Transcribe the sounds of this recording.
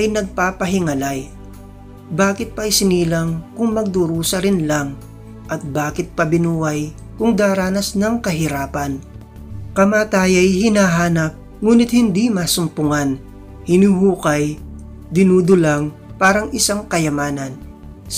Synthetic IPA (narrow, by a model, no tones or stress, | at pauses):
ʔɐjnɐɡ̚paːpɐɦɪŋɐlaj | baːkɪt̪̚pɐʔɐjsɪniːlɐŋkʊŋmɐɡ̚d̪ʊɾuːsɐɾɪnlaŋ | ʔɐt̪̚baːkɪt̪̚pɐbɪnuːwɐj | kʊŋd̪aːɾaːnɐsnɐŋkɐɦɪɾaːpɐn | kɐmaːt̪aːjɐjhɪnaːɦaːnɐp̚ | ŋuːnɪt̪̚hɪnd̪imasʊmpʊŋan | hɪnihuːkɐj | d̪ɪnuːd̪ʊlaŋ | paːɾɐŋʔɪsaŋkɐjɐmaːnɐn